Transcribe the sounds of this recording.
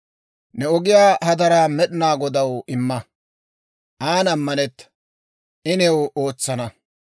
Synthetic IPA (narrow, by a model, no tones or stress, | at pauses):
nɛɔɡɪjaːhɐd̪ɐɾamɛɗɪnaːɡɔd̪ɐwɪmːɐ | ʔaːnɐmːɐnɛt̪ːɐ̥ | ʔɪnɛwoːt͡sːɐnɐ